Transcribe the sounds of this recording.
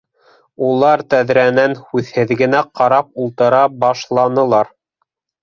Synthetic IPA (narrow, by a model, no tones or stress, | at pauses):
ulˠɑɾt̪æðɾænænhʉðhɘ̆ðɡɘ̆næqɑɾɑp̚ulˠt̪ɤ̆ɾɑbɑʃlˠɑnɤ̆lˠɑɾ